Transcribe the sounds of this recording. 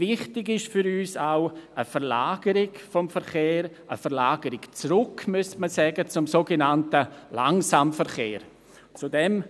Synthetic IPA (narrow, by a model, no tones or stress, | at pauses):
vɪχtɪɡɪʃfyɾyːsaʊʔəfəɾlaːɡ̥əɾɪɡfɔmfəɾχeːɾʔə̰fəɾlaːɡ̥əɾɪɡt͡sɾʊkmʉstməsɛːɡət͡sʊmsoːɡenantəla̰ŋsamfəɾχḛːɾ | t͡sudɛm